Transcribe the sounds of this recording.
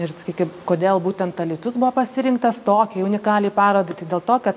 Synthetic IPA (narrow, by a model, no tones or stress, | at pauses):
ɪɾsɐ̥kʲiːkʲɪmkoːd̪ʲeːlˠbuːt̪ʲɛnt̪ɐlʲiːt̪ʊsbʊʋoːpɐsʲɪɾʲɪŋkt̪ɐst̪oːkʲɛːʊnʲɪkɑːlʲiːpɑːɾoːd̪ɐɪt̪ɐɪd̪ʲeːlˠt̪oːkɐt̪